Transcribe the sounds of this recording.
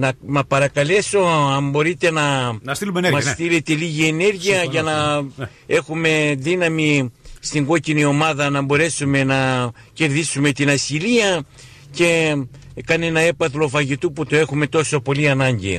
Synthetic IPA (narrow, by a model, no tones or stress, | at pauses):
nɐmɐpɐɾɐkɐle̞so̞ɐmbo̞ɾit̪e̞nɐnɐst̪ilumenemɐst̪ile̞t̪e̞liʝie̞ne̞ɾʝiɐʝɐnɐ | e̞xume̞ðinɐmist̪iŋɡo̞cinio̞mɐðɐnɐbo̞ɾe̞sume̞nɐ | ce̞ɾðisume̞t̪inɐsiliɐ | ce̞ | kɐne̞nɐe̞pɐθlo̞fɐʝit̪uput̪oe̞xume̞t̪o̞so̞po̞liɐnɐɲɟḭ